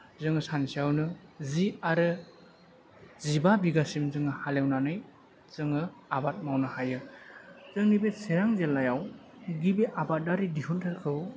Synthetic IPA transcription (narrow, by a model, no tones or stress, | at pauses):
zɯŋɯsansiawnɯziaɾɯ | zibabiɡasimzɯŋɯhalewnanɯj | zɯŋɯabat̚mawnɯhajɯ | zɯŋnibeseɾaŋzelajaw | ɡibiʔabat̚daɾidihuntʰɯɾkʰɯw